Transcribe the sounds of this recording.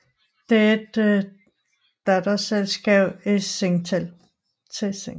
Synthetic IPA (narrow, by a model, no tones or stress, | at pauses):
d̥eed̥ | æd̥ɐselsɡ̥ɛːʊ̥eseŋt͡sʰel | t͡sʰeseŋ